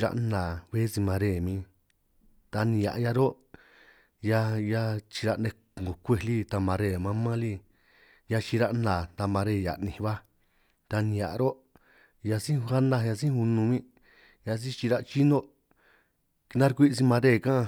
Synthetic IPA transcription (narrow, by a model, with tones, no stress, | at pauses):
ɾa̰˧ʔnã˨βe˦si˧mã˧ɾe˧˨mĩ˧ | t̪a˧nĩ˧ja̰˨ʔja˧ɾo˦ | ja˧ja˧t͡ʃi˧ɾa˧nẽ˧˨ŋ˨o˨kʷe˧˨li˦t̪a˧mã˧ɾe˦˧˨mã˧mã˦li˧ | ja˧t͡ʃi˧ɾa˧ʔnã˨t̪a˧mã˧ɾe˧˨ja̰˨nĩ˧˨˧βa˦ | t̪a˧nĩ˧ja˨ʔɾo˦ | ja˧sĩ˦u˧ha˦nã˧ja˧s̬ĩ˦hu˧nũ˧mĩ˦˧ | ja˧s̬ĩ˦t͡ʃi˧ɾa˧t͡ʃi˦nõ˦ | ki˧nã˦ɾkʷi˦˧si˧mã˧ɾe˦˨kã˦˧